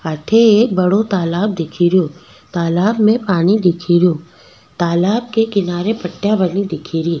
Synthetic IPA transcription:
ɐʈ̪ʰeeːk̚bɐɽot̪aːlaːb̚d̪ɪkʰiɾjo | t̪aːlaːbmẽpaːnid̪ɪkʰiɾjõː | t̪aːlaːb̚kekɪnaːɾepɐʈːjabɐnid̪ɪkʰiɾiː

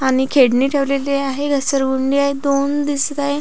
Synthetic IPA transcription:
aɽ̃ikʰeɽniːʈʰeʋleleaɦeɡʱəsəɾɡuɳɖiaɦed̪ond̪ist̪ae

